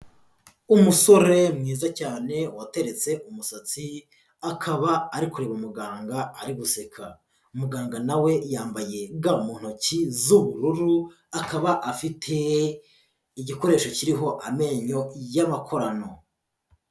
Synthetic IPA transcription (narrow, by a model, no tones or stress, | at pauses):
umuso̞ɾe̞mŋiːzacaːne̞wate̞ɾe̞t͡se̞ʔumusat͡si | akʰaβaːɾikuɾeβumuɡaːŋɡaːɾiɡuse̞kʰa | umuɡaːŋɡanawe̞jaːmbaje̞ɡaumuːn̥hocizuβuɾuɾu | akaβaʔafitʰe̞ | iɟiko̞ɾe̞ːʃo̞ciɾiɦo̞ʔame̞ɲo̞jamakʰo̞ɾano̞